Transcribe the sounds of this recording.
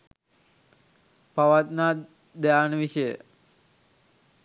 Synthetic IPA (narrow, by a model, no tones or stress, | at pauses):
paʋat̪na | d̪ɛjanʋiʃəjə